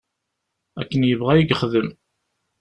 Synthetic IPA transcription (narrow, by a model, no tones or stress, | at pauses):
ækːənjəvʁæjiɡχðəm